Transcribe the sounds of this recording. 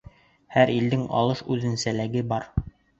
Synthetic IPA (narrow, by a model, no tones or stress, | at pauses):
hæɾild̪ɘŋɑ̰lˠɤʃʉðɘ̆nsælæɡɘbɑɾ